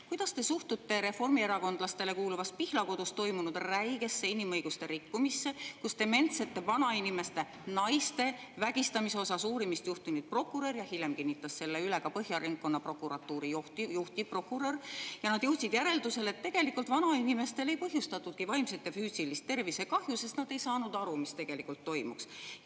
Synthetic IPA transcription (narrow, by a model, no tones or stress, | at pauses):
kujd̪̥ɑst̪e̞suht̪ut̪ːe̞ɾe̞fo̞rmie̞ɾɑko̞nd̪̥lɑst̪e̞le̞kuːluvɑs̚pihlɑko̞d̪ust̪o̞jmunud̪̥ræjɡ̥e̞sːe̞inimɤjɡ̥ust̪e̞ɾikːumisːe̞kust̪e̞me̞nt̪se̞t̪ːe̞vɑnɑinime̞st̪e̞ | nɑjst̪e̞ | væɡ̥ist̪ɑmiseo̞sɑsuːɾimist̪juht̪inud̪̥̚pro̞kːˑuɾe̞rjɑhilʲemkinʲːit̪ːˑɑsːe̞lːeyleɡ̥ɑpɤhjɑɾiŋɡ̚kːo̞nːɑpro̞kˑuɾɑt̪ːˑuːɾijoht̪ijuht̪ipro̞kːˑuɾerjɑnɑd̪juht̪sid̪̥jæɾe̞ld̪use̞le̞t̪ːe̞ɡ̥e̞likult̪vɑnɑinime̞st̪e̞le̞jpɤɦjust̪ɑt̪ːˑut̪̚kivɑjmset̪ːˑefyːsilist̪ːe̞rvise̞kɑhjuse̞st̪nɑd̪̥e̞jsɑːnud̪ɑɾumist̪e̞ɡ̥e̞likult̪ːo̞jmṵks